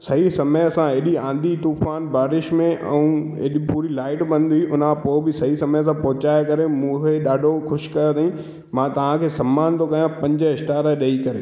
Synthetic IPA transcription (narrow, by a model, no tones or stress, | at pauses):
sɐɦisɐməjsãeɗiãːnd̪iʈ̪uːfaːnbaːɾɪʃmẽʔɛ̰̃ũḛːɗipuːɾilaːɪʈbɐ̃nd̪iʔʊnãpoːɪbɪsɐɦisɐməjs̬ãpɐɦʊt͡ɕaːjekɐɾemũːkʰeɗaːɖʱoxʊʃkɐɾod̪aːĩ | mãːt̪ɐʋ̤ãkʰeːsɐ̃mːaːnt̪ʰokɐjãpɐ̃ɲd͡ʑəɪsʈaːɾəɗɐikɐɾeː